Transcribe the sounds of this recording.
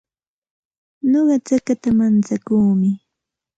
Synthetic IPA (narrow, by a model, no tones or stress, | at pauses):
noɢɑt͡sakat̪amant͡sakuːmɪ